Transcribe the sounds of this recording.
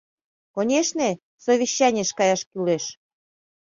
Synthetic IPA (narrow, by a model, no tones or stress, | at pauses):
konʲeʃne | soβʲiɕːɑnʲeʃkɑjɑʃkyleʃ